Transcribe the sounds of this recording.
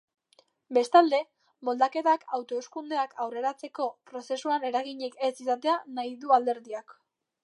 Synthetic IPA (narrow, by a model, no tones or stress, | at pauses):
be̞st̪ald̪e̞ | mo̞ld̪ake̞t̪akawt̪o̞eskund̪e̞akʰawre̞ɾat͡se̞ko̞pɾo̞se̞suane̞ɾaɣiɲekesisat̪e̞anajðuald̪e̞ɾðiak